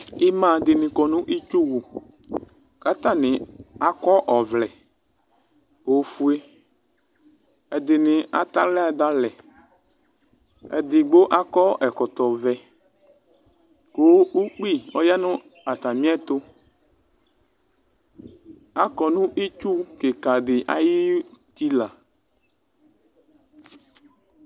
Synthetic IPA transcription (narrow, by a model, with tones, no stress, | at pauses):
i˦mã˦˨d̪ɪ˨nɪ̃˨kɔ˨nũ˦ʔi˦t͡ʃu˦wu˨ | ka˦t̪ã˦˨nɪ̃˨a˦˨kɔ˦ʔɔ˨vlɛ˨ | o˨˦fu˦e˦ | ɛ˨d̪ɪ˨nɪ̃˨a̰˨t̪a˦lɛ˦a˨d̪a˦lɛ˨ | ɛ̰˨d̪ɪ˨ɡ͡bo˦ʔa˦kɔ˦ʔɛ˨kɔ˨t̪ɔ˨vɛ˨ | ko˦u˦k͡pi˦ɔ˦ja˦nũ˦ | a˨t̪a˨mĩ˦a˦t̪o˦ | a˦kɔ˨nũ˦ʔi˦t͡ʃu˦ke˨ka˨ɖe˨ʔa̰˦ji˦t̪i˦la˨